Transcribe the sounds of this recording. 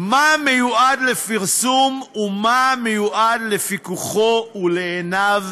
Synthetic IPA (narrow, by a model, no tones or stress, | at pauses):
mame̞juadle̞fiʁsumumamejuʔadle̞fikuχo̞uleːnav